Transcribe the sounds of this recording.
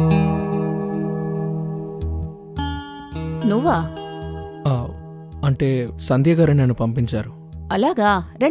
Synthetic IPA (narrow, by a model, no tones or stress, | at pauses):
nuʋaː | aː | ɐɳʈe̞ːsɐnd̪jɐɡaːɾɐneːnːupɐmpiɲt͡ʃaːɾu | ɐlaːɡaːɾe